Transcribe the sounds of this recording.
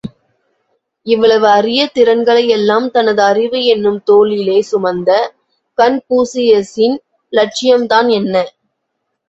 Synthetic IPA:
ɪʋːɐɭɐʋɯɐrɪjɐt̪ɪɾɐnɡɐɭɐjɛlːaːmt̪ɐnɐðɯɐrɪʋɯɛnːɯmt̪oːlɪleːsʊmɐnd̪ɐ | kɐnpuːsɪjɐsɪn | lɐʈ̚t͡ʃɪjɐmt̪aːnɛnːɐ

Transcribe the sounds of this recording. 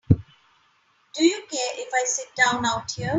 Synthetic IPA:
d̥ɨjəkɛʔɪfaɪsɪt̚d̥ãʊ̃naʊtʰiə

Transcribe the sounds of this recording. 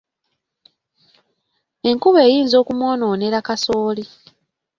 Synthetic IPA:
e̞ŋkuβe̞ːjiːnzo̞ːkumwo̞ːnoːne̞ɾakaso̞ːli

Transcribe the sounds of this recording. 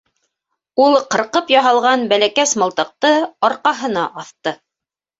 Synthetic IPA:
ulˠqɤ̆ɾqɤpjɑɦɑlˠʁɑnbælækæsmɤ̆lˠt̪ɤ̆q̚t̪ɤɑɾqɑɦɤ̆nɑʔɑθt̪ɤ

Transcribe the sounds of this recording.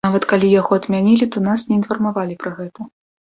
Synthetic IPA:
avɐt̪kalʲijaɣɔɐd̪mʲanʲilʲit̪ɔnasnʲɛinfɐrmavalʲipɾɐɣɛt̪ɐ

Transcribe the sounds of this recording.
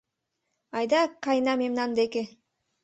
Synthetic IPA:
ɑjd̪ɑkɑjnamemnand̪eke

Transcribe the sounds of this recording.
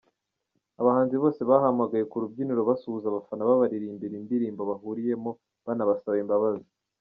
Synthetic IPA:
aβahaːnziβo̞ːse̞βahamaɡaje̞kuɾub̚ɟiniɾo̞βasuuzaβafanaβaβaɾiɾiimbiɾimbiɾiːmboβaɦuɾije̞mo̞ | βanaβasaβaimbaβazi

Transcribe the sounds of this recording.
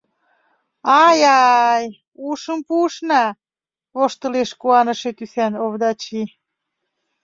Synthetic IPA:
ɑjɑj | uʃəmpuʃnɑ | βoʃt̪ə̆leʃkuɑnə̆ʃet̪ysænoβd̪ɑt͡ɕi

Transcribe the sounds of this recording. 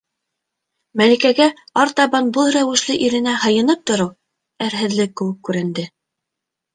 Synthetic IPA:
mælikæɡæ | ɑɾt̪ɑβɑnbɤlˠɾæwɘ̆ʃlɘʔiɾɘ̆næhɤ̆jɤ̆nɤp̚t̪ŏɾɤw | æɾɦɘ̆ðlɘkːɘ̆wɘkːʉɾɘ̆nd̪ɘ

